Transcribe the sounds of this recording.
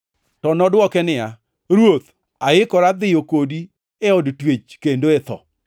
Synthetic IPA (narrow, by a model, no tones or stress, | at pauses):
tɔnɔdwɔkɛnɪja | ɾwot̪ | aɪkɔɾad̪ɪjokodi | eɔdtwet͡ʃkendoet̪ɔ̰